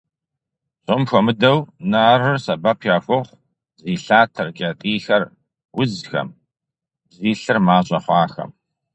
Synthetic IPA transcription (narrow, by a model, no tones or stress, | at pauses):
ɕʼʊmxʷɔmɨdɐwnaːrɨrsɐbɐpʰjaːxʷʊʁʷ | ziːɬaːtʰɐrkʼɐtʼiːxɐr | wʊzxɐ̰m | ziːɬɨrmaːɕʼɐχʷɑːxɐ̰m